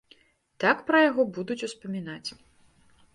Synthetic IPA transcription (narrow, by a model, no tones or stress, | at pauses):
t̪akpɾɐjaɣɔbud̪ut͡sʲuspɐmʲinat͡sʲ